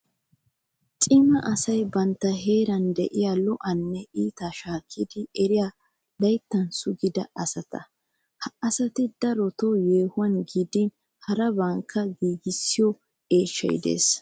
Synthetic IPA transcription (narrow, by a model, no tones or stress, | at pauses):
t͡sʼɪmɐʔɐsɐjbɐnt̪ːɐɦe̞ːɾɐnd̪ɛʔɪjalɔʔɐnːɛʔiːt̪aʃaːkʰːɪd̪ɪɛɾɪja | lɐjt̪ːɐnsʊɡɪd̪ɐɐsɐt̪ɐ̰ | hɐɐsɐt̪ɪd̪ɐɾɔt̪ɔjeːhʊwɐnɡid̪ɪn | hɐɾɐbɐŋkʰːɐɡiːɡɪsːɪjɔ | eːʃːɐ̰jɪ̰d̪ḛːs